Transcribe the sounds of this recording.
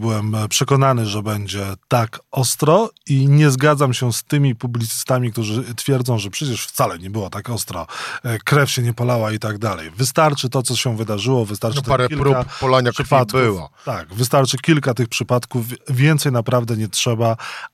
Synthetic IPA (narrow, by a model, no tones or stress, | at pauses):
bɘwɛmpʂɛkɔnanɘʐɛbɛɲd͡ʑɛt̪akɔst̪ɾɔiɲɛzɡad̪zamɕɛst̪ɘmʲipublʲit̪sɘ̥st̪amʲik̚t̪uʐɘt̪fʲjɛɾd̪zɔ̃w̃ʐɛpʂɛt͡ɕɛʂft̪salɛɲɛbɘwɔt̪akɔst̪ɾɔ̰kɾɛfɕɛɲɛpɔlawait̪aɡ̚d̪alɛ̰jvɘst̪aɾt͡ʂɘt̪ɔt̪sɔɕɛvɘd̪aʐɘwɔvɨst̪aɾt͡ʂɨt̪paɾɛilɾuapɔlaɲaʂpat̪kbɘwa̰t̪aɡvɘst̪aɾt͡ʂɘkʲilkat̪ɘxpʂɘpat̪kufːʲjɛnt̪sɛjnapɾavd̪ɛɲɛtʂɛba